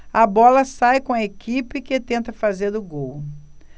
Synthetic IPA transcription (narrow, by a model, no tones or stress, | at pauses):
ɐbɔlɐsajkõɐekʰipɪkɪt̪ẽnt̪ɐfazeɾd̪ʊɡow